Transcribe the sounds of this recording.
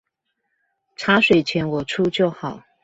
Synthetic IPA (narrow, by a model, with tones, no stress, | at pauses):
ʈ͡ʂʰa˧˥ʂwe˨˩ɪt͡ɕʰjɛ˧˥nwɔ˨˩ʈ͡ʂʰu˥t͡ɕjo˥˩ʊxɑ˨˩˦